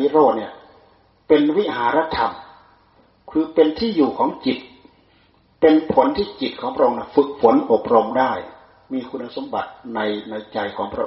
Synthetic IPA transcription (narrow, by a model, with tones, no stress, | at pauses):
i˧˥ɾoː˧˩t̪̚ni˧˩ɐ | pe˨nwi˦˥˩haː˨˩˦ɾa˧˥t̪ʰːa˧m | kʰɯː˧pe˨nt̪ʰiː˥˩juː˨˩kʰɔː˨˦ŋt͡ɕi˨˩t̪̚ | pe˧npʰo˩˦˥nt̪ʰiː˧˥˩t͡ɕi˨t̪̚kʰɔː˩˦ŋpʰɾa˧o˧ŋna˧˩fɯ˧k̚pʰo˨˦nʔo˨˧˩p̚ɾo˧mdaː˥˩j | miː˧kʰu˧nːa˧˩so˨˦mba˨˦t̪̚na˧jna˧jt͡ɕa˨˩jkʰɔː˩˦ŋpʰɾa˧ʔ